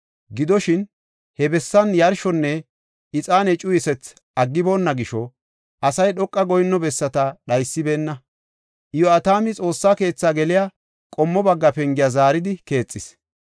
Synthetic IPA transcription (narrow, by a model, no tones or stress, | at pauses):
ɡɪd̪ɔʃɪn | hɛbɛsːɐnjɐɾʃɔnːɛ | ɪt͡sʼaːnɛt͡ʃʼʊjɪsɛt͡s | ʔɐɡːɪbo̞ːnːɐɡɪʃɔ | ʔɐsɐjɗɔkʼːɐɡɔjnːɔbɛsːɐt̪ɐɗɐjsːɪbe̞ːnːɐ | ʔɪjɔɐt̪aːmɪt͡sʼo̞ːsːaːke̞ːt͡sːaːɡɛlɪja | kʼɔmːɔbɐɡːɐpɛŋɡɪjazaːɾɪd̪ɪke̞ːt͡sʼːɪs